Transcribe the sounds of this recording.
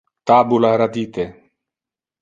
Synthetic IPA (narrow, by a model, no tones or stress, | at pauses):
t̪aːbulaɦɾɐd̪iːt̪eː